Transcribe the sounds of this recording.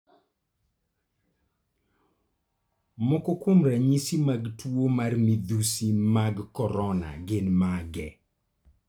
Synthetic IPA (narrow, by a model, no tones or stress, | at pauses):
mɔkɔkʊmɾaɲisimaɡtwomarmid̪usimaɡkɔɾɔna̰ɡɪnmaɡɛ